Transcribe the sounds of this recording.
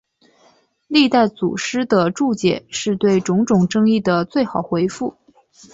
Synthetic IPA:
li˥˧t̪a˥˩ɪt͡sṵ˨˩ʂɻ̩˥d̪ə˨ʈ͡ʂu˥˩t͡ɕjɛ̰˨˩˦ʂɻ̩˥˧t̪we˥˩ɪʈ͡ʂʊ˧˥ŋʈ͡ʂʊ˨˩ŋʈ͡ʂɤ˥ŋi˥˩d̪ə˩t͡swe˥˩ɪxɑ˨˩ʊxwe˧˥ɪfu˥˩

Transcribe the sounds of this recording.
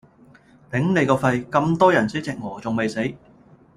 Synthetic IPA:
t̪ɪ˨˥ŋne˨˧jkɔː˧fɐ˧jkɐ˧mt̪ɔː˥jɐ˨˩nsi˨˥t͡sɪ˨k̚ŋɔː˨˩t͡sʊ˨ŋme˨jse˨˥j

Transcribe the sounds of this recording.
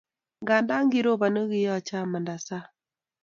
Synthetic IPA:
ŋɡa˨nda˦ŋɡi˦ɾo˦βa˨no˦ɣi˦jɔ˦˨t͡ʃa˦ma˨nda˨sa˦

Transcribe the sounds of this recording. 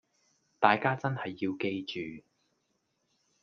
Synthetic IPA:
t̪aː˨jkaː˥t͡sɐ˥nhɐ˨jːiː˧wke˧jt͡ʃyː˨

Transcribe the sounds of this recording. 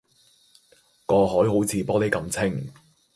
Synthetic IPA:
kɔː˧ɦɔː˨˥jɦo˨˥wt͡sʰiː˨˧pɔː˥ne˨˥jkɐ˧mt͡sʰɪ˥ŋ

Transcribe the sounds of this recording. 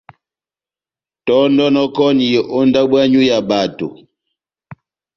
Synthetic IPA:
tɔ˦ndɔ˦nɔ˦kɔ˦ni˨jɛ˨ʔo˦nda˦bwa˦ɲu˦ja˨ba˨to̰˨

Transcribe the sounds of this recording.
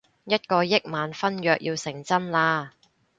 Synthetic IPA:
jɐ˥t̚kɔː˧jɪ˥k̚maː˨˧nfɐ˥njœː˨k̚jʔiː˧wsɪ˨˩ŋt͡sɐ˥nlaː˧

